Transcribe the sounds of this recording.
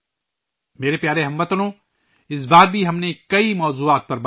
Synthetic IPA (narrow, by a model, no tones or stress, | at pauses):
meːɾepjaːɾeɦɐmːɐt̪nõ | ɪs̬baːɾbʱiɦɐmnekɐimɔːzuːaːt̪̚pɐɾb